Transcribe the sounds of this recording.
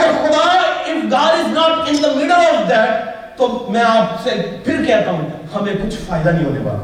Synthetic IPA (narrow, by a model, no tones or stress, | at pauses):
əɾxʊd̪aːɾɪfɡaːɖɪznɔːʈɪ̃nd̪əmɪɖəlɔːʋd̪æʈ̚ | t̪oːmɛ̃aːpsepʰɪɾkɛɦt̪aːɦũ | hɐmẽkʊt͡ʃʰfaːɪd̪anɐɦĩɦo̰ːnḛba̰ː